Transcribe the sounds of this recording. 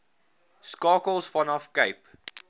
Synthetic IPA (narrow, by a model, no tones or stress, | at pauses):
skɑːkəlˠsfɔnɔfkeɪp